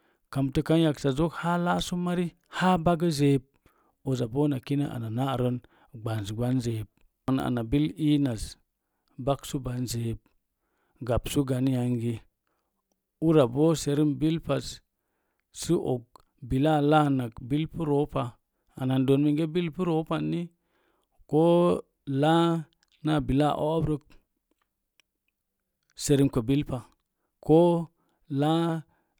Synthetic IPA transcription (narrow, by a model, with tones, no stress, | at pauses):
ka˨mtə˦ka˦nja˨ksa˨zo˦kha˦la˦su˦ma˦ɾi˦ | ha˦ba˦ɡə˦ze˨˦b̚ | o˨za˨bo˦na˨ki˦na˦ʔa̰˨na˨na˦˨ɾo˦n | ɡ͡ba˨n˨si˨ɡ͡ba˦nze˨b̚ | na̰˨na˨bi˦li˦na˨s | ba˦ksu˦ba˨nze˨b̚ | ɡa˨psu˦ɡa˨n˦ja˨ŋɡi˨ | u˦ɾa˨bo˦se˨ɾi˦mbi˦lpa˨s | si˦ʔo̰˨k̚ | bi˨la˦˨la˦na˨kbi˦lpu˦ɾo˦pa˨ | a˨na˨ndo˨nmi˨ŋɡe˦bi˦lpu˦ɾo˦pa˨nːi˦ | ko˦ | la˦ | na˦˨bi˨la˦˨ʔo̰˦bɾə˦k̚ | se˨ɾi˦mkə˨bi˦lpa˨ | ko˦ | la˦